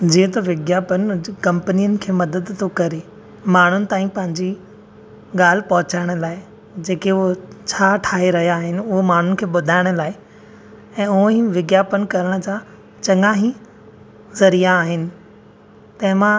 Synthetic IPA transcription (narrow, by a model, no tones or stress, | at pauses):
d͡ʑiːẽt̪oʋɪɡjaːpənɪkɐ̃mpnijənɪ̆kʰeːmɐd̪əd̪t̪ʰokɐɾe | maːɳ̤ʊnɪ̆t̪aːĩpɐ̃ɦɪ̃ɲd͡ʑi | ɠaːl̤ɪpɐɦʊt͡ɕaːɪɽ̃ə̆laːɪ | d͡ʑeːkeʊɦot͡ɕʰaːʈʰaːɦeɾɐɦijaːɦɪnɪ̆ʊɦomaːɳ̤ʊnɪ̆kʰeːɓʊd̪ʱaːɪɽ̃ʊ̆laːɪ | ɛ̃ːʊ̃ɦĩʋɪɡjaːpənkɐɾəɽ̃d͡ʑaː | t͡ɕɐŋɡãɦĩ | zɐɾijaːɦɪnɪ̆ | t̪ɐ̃ɦɪ̃mã